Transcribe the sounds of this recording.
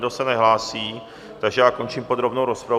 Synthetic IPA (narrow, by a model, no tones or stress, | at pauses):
dosɛnɛɦlaːsiː | t̪aɡʒɛjaːko̞nt͡ʃimpod̪ɾobnowɾospɾa